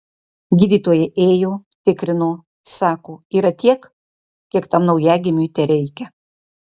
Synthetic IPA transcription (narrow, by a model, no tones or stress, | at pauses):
ɡʲiːd̪ʲiːt̪oːjɛʔeːjoːt̪ʲɪkɾʲɪnoː | sɑːkoːiːɾɐt̪ʲiɛk | kʲiɛkt̪ɐmnɐʊjæːɡʲɪmʲuːt̪ʲɛɾʲɛɪkʲɛ